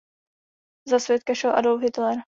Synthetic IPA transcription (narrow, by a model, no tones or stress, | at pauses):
zasvʲjɛt̪̚kaʃɛlʔadolfɦɪt̪lɛɾ